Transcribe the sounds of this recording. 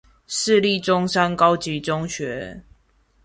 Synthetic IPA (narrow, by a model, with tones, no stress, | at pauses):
ʂɻ̩˥˧li˥˨ʈ͡ʂʊ˦ŋʂa˦nkɑ˦ʊt͡ɕi˨˦ʈ͡ʂʊ˦ŋɕɥɛ˨˦